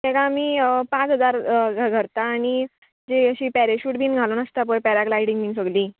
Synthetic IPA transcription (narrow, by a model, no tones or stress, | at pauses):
t̪ɛkaːmiːpãt͡sɦəd͡zaɾɡɡʱəɾt̪aːɽ̃i | d͡ʑeəɕipɛɾeɕuːʈbʱiːnɡʱalonəst̪apəjpɛɾaklaiɽiŋɡbʱiːnsəɡliː